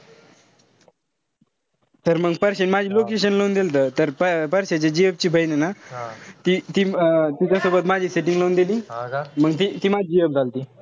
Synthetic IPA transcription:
t̪əɾməɡpəɾɕenmad͡ʑʱiːlokeɕ̬ənlond̪elt̪ət̪əɾpəpəɾɕat͡ɕed͡ʑiəp̚t͡ɕiːbʱəjnenat̪it̪it̪it͡ɕjasobət̪mad͡ʑʱiːseʈiŋɡlond̪eliːməɡt̪it̪iːmad͡ʑd͡ʑijəp̚d͡zʱalt̪iː

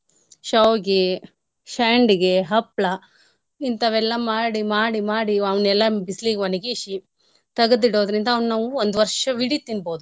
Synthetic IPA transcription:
ʃɐwɡe | ʃaːɳɖiɡe̞ɦɐpɭɐ | int̪ɐʋɛlːɐmaːɽimaːɽimaːɽiɐʋnɛlːɐbisliːɡeʋɐniɡeʃi | t̪ɐɡɐd̪iɽoːd̪ɾind̪ɐʋnnaːʋuond̪uʋɐɾʂɐʋiɽit̪inboːd̪u

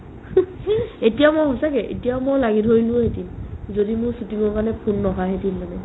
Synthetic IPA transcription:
etijamɔjɦɔsakɛʔḛtijaʊmojlaɡidʱojlʊ̃ɦetinzodimʊɹsutiŋɔɹkanɛpʰunːɔɦaɦetinmanɛ

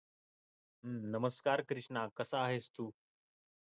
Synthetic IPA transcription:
ɦnəməskaːɾkɾɪʂɳakəsaːɦest̪uː

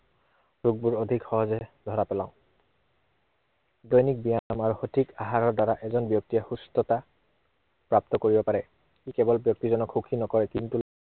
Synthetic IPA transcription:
ɹuɡ̚buɹodʱikxɔɦɔzɛdʱɔɹapɛlã̰ʊ̃ | dɔjnik̚bijaamaɹuhotʰikaɦaɹɔɹdaɹaʔɛzɔnbjɔk̚tiɛxustɔta | pɹap̚t̪ɔkoɹibɔpaɹɛ | kikɛbɔlbjɔk̚tizɔnɔkʰxukʰinɔkɔɹɛkintu

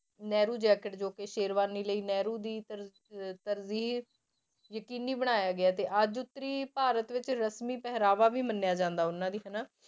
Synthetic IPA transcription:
nɛːɾuːd͡ʒɛːkəʈd͡ʒoːkeʃeːɾʋaːniːləiːnɛːɾuːd̪iːəɾ | t̪əɾziːɦ | jəkiːniːbəɽ̃aːjaːɡɪaːt̪eːʔəd͡ʒʊt̪ːəɾiːpaːɾət̪ʋɪt͡ʃɾəsmiːpɛɦɾaːʋaːʋiːmənːjaːd͡ʒãːnd̪aːʊnːãːd̪iːɦənaː

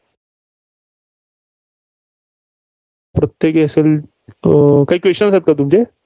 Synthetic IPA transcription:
pɾət̪jekeəsel | kaɦiːkʋeɕʈənsat̪̚kat̪̬umd͡ʑe

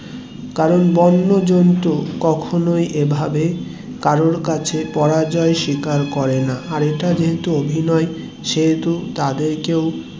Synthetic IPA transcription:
kaɾonbɔnːod͡ʑont̪okɔkʰonojʔebʱabe | kaɾoɾkat͡ɕʰepɔɾad͡ʑɔeʃikaɾkɔɾenaʔaɾeʈad͡ʑeɦet̪uobʱinɔe | ʃeɦet̪ut̪ad̪eɾkew

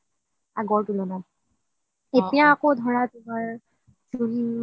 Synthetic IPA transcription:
a̰ɡɔɹtulɔnɔ | etijãːkodʱɔɹatumaɹ | suɹim

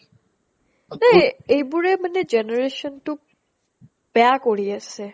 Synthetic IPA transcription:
naejbuɹemaned͡ʒeneɹeʃɔntu | b̥ɛakoɹiasʰe

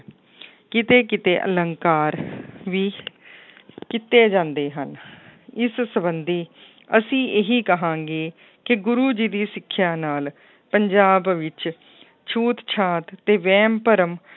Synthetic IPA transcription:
kɪt̪eːkɪt̪ḛːʔə̰ləŋkaːɾʋiː | kɪt̪ːeːd͡ʒãːnd̪eːɦənɪssəbənd̪iː | əsĩːʔeɦiːkəɦãːŋɡeː | kɪɡʊɾuːd͡ʒiːd̪iːsɪkʰːjaːnaːl | pəɲd͡ʒaːbʋɪt͡ʃ | t͡ʃʰuːt̪t͡ʃʰaːt̪t̪eːʋɛːmpəɾəm

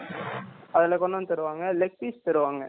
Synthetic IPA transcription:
ɐðɪlɛkɔɳːɐnt̪ɐɾɯʋaːŋɡɐlɛk̚ʈ̪iːst̪ɐɾɯʋaːŋɡɐ

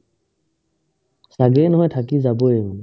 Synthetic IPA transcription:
saɡenɔɦɔjtʰak̬izaboeɦun

